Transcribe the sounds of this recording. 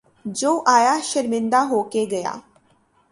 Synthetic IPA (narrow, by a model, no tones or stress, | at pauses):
d͡ʒoːʔaːjaːʃəɾmɪ̃nd̪aːɦoːkeɡəja̰ː